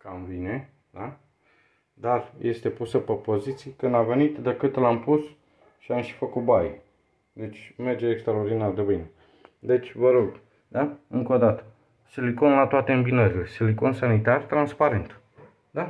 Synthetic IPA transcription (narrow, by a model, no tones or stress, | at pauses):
kamvine | d̪a | d̪arjʔe̞st̪e̞pusəpepo̞zit̪sijkɨnd̪ave̞nit̪d̪ekɨt̪lampus | ʃiamʃi̥fəkut̪̚baj | d̪e̞t͡ʃʲme̞rd͡ʒeːkst̪ɾaord̪inard̪ebine | d̪e̞t͡ʃʲvəɾo̞ɡ | d̪aɨŋkod̪at̪ə̥ | siliko̞nlat̪oat̪eɨmbinəɾile̞siliko̞nsanit̪art̪ɾanspaɾe̞nt̪ | d̪a